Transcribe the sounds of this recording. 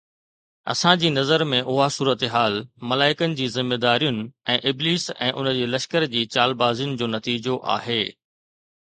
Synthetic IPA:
ɐ̰sãd͡ʑiːnɐzəɾmẽʔʊɦasuːɾət̪eɦaːlmɐlaːɪkənɪ̆d͡ʑiːzɪmːeːd̪aːɾijʊnɪ̆ɛ̃ːʔɪbliːsɛ̰̃ːʔʊnəd͡ʑeːlɐʃkəɾd͡ʑiːt͡ɕaːlbaːzijʊnɪ̆d͡ʑoːnɐt̪iːd͡ʑoʔa̰ːɦeː

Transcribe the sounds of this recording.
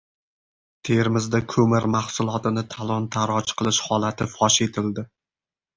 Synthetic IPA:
t̪ʰe̞ɾmɪzd̪akʰɵmɪɾmahsʊlˠɒt̪ɪnɪt̪ʰalˠɒnt̪ʰaɾɒt͡ʃqʰɨlˠɪʃhɒlat̪ʰɪfɒʃe̞t̪ʰɪld̪ɪ

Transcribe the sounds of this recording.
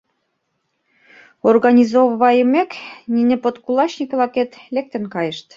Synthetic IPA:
orɣɑnʲizovβɑjəmeknʲinʲepot̪kulɑɕnʲikβlɑket̪lek̚t̪ə̆nkɑjəʃt̪

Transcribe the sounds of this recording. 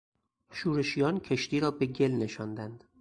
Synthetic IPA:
ʃuːɾe̞ʃijɒːncʰeʃt̪iːɾɒːbe̞ɟe̞lne̞ʃɒːnd̪ænd̪̥

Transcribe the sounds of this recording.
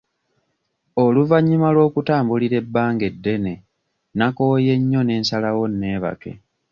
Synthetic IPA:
oluvaɲːimalwo̞ːkutaːmbuliɾe̞bːaːŋɡe̞dːe̞ne̞ | nakoje̞ɲːo̞ne̞ːnsalawo̞nːe̞ːβa̰ke̞̰

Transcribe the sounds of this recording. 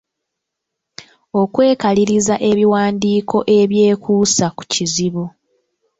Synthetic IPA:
o̞kwe̞ːkaliɾizaʔe̞βiwaːndiːkʰo̞ʔe̞βje̞ːkʰuːsaku̥ciziβu

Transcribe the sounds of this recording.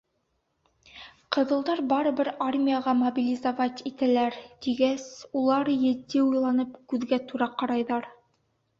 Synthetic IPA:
qɤ̆ðɤ̆lˠd̪ɑɾbɑɾɤ̆bɘɾarmʲijaʁɑmobʲilʲizavɑt̪it̪ælæɾt̪iɡæsulˠɑɾjɘ̆t̪ːiujlˠɑnɤpkʉðɡæt̪uɾɑqɑɾɑjðɑɾ

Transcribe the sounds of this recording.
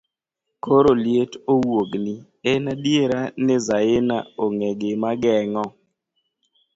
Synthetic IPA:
koɾoljetowoɡni | ɛnadjeɾanɪzaɪna̰oŋeɡɪmaɡɛŋɔ

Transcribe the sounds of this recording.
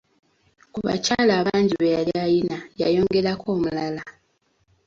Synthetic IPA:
kuβa̰caːlaːβaːɲɟiβejaliajinajajo̞ːŋɡe̞ɾakʰo̞ːmulala

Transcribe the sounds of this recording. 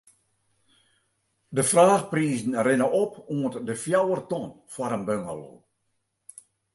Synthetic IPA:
dəfraːχpriːzn̩rɪnəʔɔpuəntdəfjawərtɔn | fwaɾənbøŋə̰lo̰

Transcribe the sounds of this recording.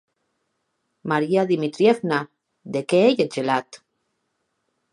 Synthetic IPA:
maɾiaðimit̪ɾjefna | d̪ekeejed͡ʒelat̪

